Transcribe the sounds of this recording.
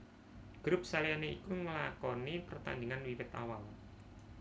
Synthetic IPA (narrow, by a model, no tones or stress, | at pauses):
ɡ̥ɾʊp̚saljaneʔḭkuŋəlakɔnipərt̪a̰nd̪ɪŋanwiwɪt̪a̰wal